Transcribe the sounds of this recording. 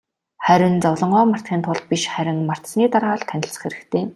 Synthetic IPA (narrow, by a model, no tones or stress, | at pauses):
χæɾʲɪ̆nt͡sɔwɮɞ̆ɴɢɔːmar̥t̪χʲiːnt̪ʰʊɮ̚pʲiʃχæɾʲɪ̆ŋmar̥t̪sniːt̪arʁaːɮt̪ʰːænʲɪ̆ɬt͡sə̆χeɾɘ̆kt̪ʰeː